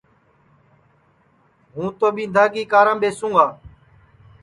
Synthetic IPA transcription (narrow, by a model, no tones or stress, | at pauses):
ɦũːt̪oːɓĩːd̪ʱaːɡiːkaːɾãːɓeːsũːɡaː